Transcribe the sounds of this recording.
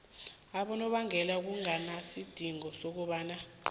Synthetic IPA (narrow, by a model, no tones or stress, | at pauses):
aɓɔnɔɓaŋʱɛlauk̬uŋanasid̥ʱiŋɔsok̬uɓaːna